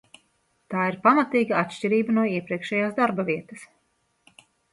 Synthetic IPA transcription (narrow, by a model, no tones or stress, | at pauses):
t̪aːiɾpamat̪iːɡaat̪ʃcʲiɾiːbanuɔiɛpɾiɛkʃɛjaːzd̪aɾbɐviɛt̪ɐs